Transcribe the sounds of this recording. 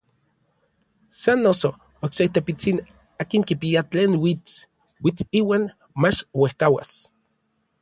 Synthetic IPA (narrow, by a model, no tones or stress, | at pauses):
sanːoso | okseit̪epit͡sin | aːkiŋkipiat͡ɬeːnwit͡s | wit͡siːwaːn | mat͡ʃwehkawa̰s